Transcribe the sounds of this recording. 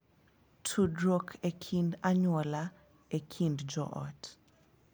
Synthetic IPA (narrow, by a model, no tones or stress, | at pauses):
tʰudɾokʰekʰindaɲwɔla | ekʰindd͡ʒɔ̰ʔɔ̰t